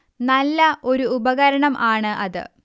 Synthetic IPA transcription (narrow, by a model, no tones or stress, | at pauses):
nɐlːɐʔo̞ɾuːbɐɣɐɾɐɳɐmʔaːɳɨʔɐðɨ̰